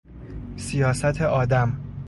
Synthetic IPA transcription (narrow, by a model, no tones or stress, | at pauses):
sijɒːsæt̪ʰeʔɒːd̪æm